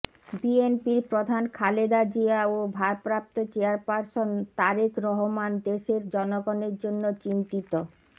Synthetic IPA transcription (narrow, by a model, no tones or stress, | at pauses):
bienpiɾpɾod̪ʱankʰaled̪ad͡ʑiaobʱaɾpɾap̚t̪ot͡ɕeaɾpaɾsont̪aɾikɾɔɦomand̪eʃeɾd͡ʑɔnoɡoneɾd͡ʑonːot͡ɕint̪it̪o